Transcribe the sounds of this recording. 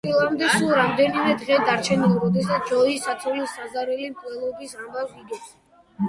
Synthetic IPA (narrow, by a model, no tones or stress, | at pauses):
ilˠamd̪ɛsulˠɾamd̪ɛnimɛd̪ʁɛd̪aɾt͡ʃʰɛnilˠɾɔd̪ɛsat̪ʰd͡ʒɔisat̪sʰɔlilˠsazaɾɛlimkʼlɛlˠɔbisambaviɡɛps